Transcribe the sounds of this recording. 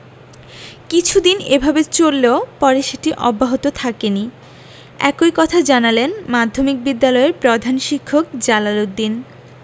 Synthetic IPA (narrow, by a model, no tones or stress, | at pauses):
kit͡ɕʰud̪inebʱabet͡ɕolːeopɔɾeʃeʈiʔɔbːaɦot̪ot̪ʰakeni | ɛ̰kojkɔt̪ʰad͡ʑanalenmad̪ʱːomik̚bid̪ːalɔeɾpɾod̪ʱanʃikʰːok̚d͡ʑalalok̚d̪in